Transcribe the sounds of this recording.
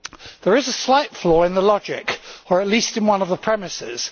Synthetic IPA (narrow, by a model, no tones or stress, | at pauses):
ðəɹɪzəslaɪtflɔːɹɪ̃nðəlɒd͡ʒɪkəɹəʔˡliˑstɪ̃nwʌ̃nəvðəpʰɹ̥ɛmɪsɪ̰z̥